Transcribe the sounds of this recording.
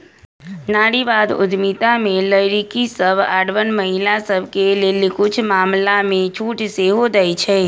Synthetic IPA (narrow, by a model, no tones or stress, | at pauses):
naɽibad̪ʊ̰d̪mit̪amẽləjɾikisəba̰ɽʋənməɦilasəbkelelikʰʊt͡ʃʰmaːmlamẽt͡ʃʰuːʈʰseɦod̪əjt͡ʃʰe